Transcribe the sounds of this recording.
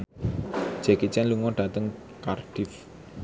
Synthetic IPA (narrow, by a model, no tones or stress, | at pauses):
d͡ʒ̥ɛkit͡ʃɛnluŋɔɖ̥ä̤t̪əŋ | karɖ̥ɪf